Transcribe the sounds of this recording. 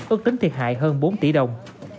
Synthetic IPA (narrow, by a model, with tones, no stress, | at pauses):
ʔɨ˦˥k̚t̪ï˨˦ŋ̟t̪ʰi˨˩ət̚ha̰ː˧˨jɦəː˧nɓo˨˦nt̪ḭ˧˩ɗə˨˩wŋ͡m